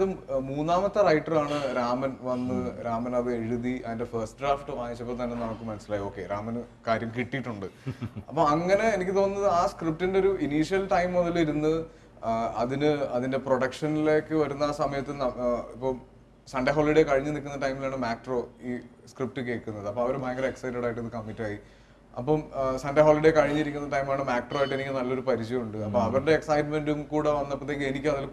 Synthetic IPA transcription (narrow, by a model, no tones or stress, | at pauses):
ðɨmuːnːaːmɐt̪ːɐrɐjʈːɐraːɳɨɾaːmɐnʋɐnːɨɾaːmɐnɐʋɨeɻuðiʔɐðinde̞fɐrsʈɨɖraːfʈɨʋaːʋit͡ɕːɐpːoːt̪ɐnːenɐmukːɨmɐnɐsilaːjio̞ːkːe̞ɾaːmɐn | kaːɾjɐmkiʈːijʈːuɳɖɨɐpːoɐŋːɐne̞ːnikʲːɨt̪o̞ːnnːɐðɨaːskrip̚ʈindeo̞ɾuʔiniːʂijɐlʈɐjmːoðɐliɾunːɨ | ɐðinɨɐðinde̞proɽɐkʂɐnile̞ːkːɨʋɐɾunːɐaːsɐmɐjɐt̪ːɨnɐipːoːm | sɐnɖɐɦo̞ːliɽekɐɻiɲːɨnikʲːunːɐʈɐjmilaːɳɨmaːkʈro̞ːiː | skrip̚ʈɨke̞ːkːunːɐðɨɐpːoːɐʋɐɾebʱaːjɐŋɡɐɾɐeksɐjʈːeɽaːjiʈːɐðɨkɐmːitːaːji | ɐ̰pːɐmsɐnɖɐɦoːliɽekɐɻiɲːiɾikʲːunːɐʈɐjmilaːɳɨmaːk̚ʈro̞ːaːjiʈːɨe̞nikʲːɨnɐlːo̞ɾupɐɾit͡ɕːijuɳɖɨɐpːɐːmɐʋɐɾuɽe̞ːksɐjʈme̞nɖumkuːɽeʋɐnːɐpːɐt̪ːekːenikʲːumɐðɐl